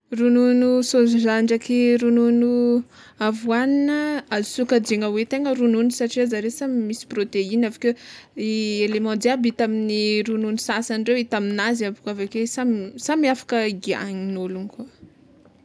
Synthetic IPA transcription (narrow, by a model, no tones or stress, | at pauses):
rununusozuʒaɳɖ͡ʐakiɾununu | avwaninəazu̥sukad͡ʒeŋəwet̪eŋəɾununusaʈ͡ʂiazaɾesamimisi̥prot̪einavakeielemɑ̃d̪abit̪aminiɾununusasanɖ͡ʐewit̪aminaziavukavakesamsamiafḁkəɡia̰ɲinolunika